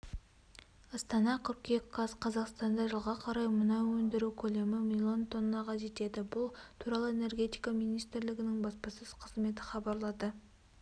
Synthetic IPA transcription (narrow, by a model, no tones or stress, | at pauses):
ɑst̪ɑnɑqʰʏɾkʲekɡɑzqʰɑzɑqst̪ɑnd̪ɑʒəlˠʁɑqʰɑɾɑjmʊnɑwɵnd̪ɪɾukʲʰɵle̞mɪmilʲˠont̪ʰo̞nːɑqʰɑʒe̞t̪e̞d̪ɪbʊlˠt̪ʰuɾɑlˠəe̞ne̞rɡʲe̞t̪ijkɑmijnijst̪ɪɾlɪɡʲɪnɪŋbɑspɑsəz̥qʰəzme̞t̪ɪ̥χɑbɑɾlˠɑd̪ə